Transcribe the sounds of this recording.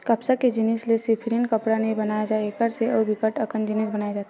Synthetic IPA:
kɐpsaked͡ʒɪnɪslesipʰɾinkɐpɽanɐĩbɐnaːjad͡ʒaːekəɾseɔːbɪkəʈɐkənd͡ʒɪnisbɐnaːjad͡ʒaːt̪a

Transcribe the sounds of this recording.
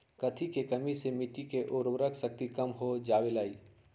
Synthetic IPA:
kət̪ʰikekəmisemiʈikeʔoːɾʋɾəksək̚t̪ikəmɦod͡ʒaːwelaːiː

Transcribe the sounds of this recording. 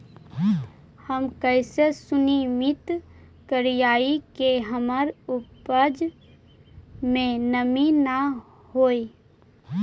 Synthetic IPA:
həmkəɪsesʊnimɪt̪ | kəɾijaːikeɦəməɾʊpəd͡ʒ | mẽnəmina | hoːe

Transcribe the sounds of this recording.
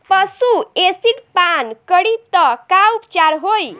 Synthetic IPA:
pəsuesiʈpankəɽit̪əkaupt͡ʃaɾɦoj

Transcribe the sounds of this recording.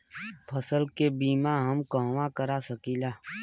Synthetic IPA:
pʰəsəlkebiːmaɦəmkə̃ɦwakəɾasəkiːlaː

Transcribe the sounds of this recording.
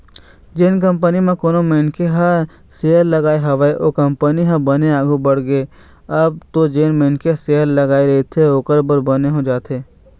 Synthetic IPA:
d͡ʒeːnk̬ə̃mpənimẽkoːnomẽːnkeɦɐ̃ | seːəɾlɐɡaːeɦɐʋəeʔoːkɐ̃mpəniɦãbɐneaːɡʱubəɽɡee | ɐb̚t̪od͡ʒeːnmẽːnkeseːəɾlɐɡaːeɾet̪ʰeoːkəɾbəɾbəneɦod͡ʒaːt̪ʰeː

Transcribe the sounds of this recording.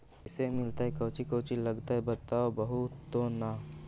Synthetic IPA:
ɪsemɪlt̪aɦɛkɐːt͡ʃikoːt͡ʃilɐɡt̪aɦɛbɐt̪aːobɐɦut̪ːoːnaː

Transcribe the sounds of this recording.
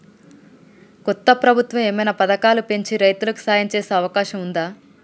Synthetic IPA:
kɔt̪ːɐpɾɐbʱut̪ʋɐmeːmɐjnapɐd̪ɐkaːlupe̞ɲt͡ʃiɾɐjt̪ulɐku̥saːjɐɲt͡ʃeːseːɐʋɐkaːʃɐmund̪aː

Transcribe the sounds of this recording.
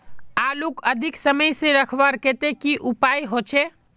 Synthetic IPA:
aːlukəd̪ʱɪksəməjsẽɾəkʰʋaɾket̪ekiʔʊpaːjɦot͡ʃʰe

